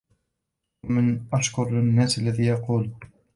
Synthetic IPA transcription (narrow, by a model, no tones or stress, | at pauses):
amɪnʔaʃkʊɾlɪnːaːsalːaðiːjɑquːl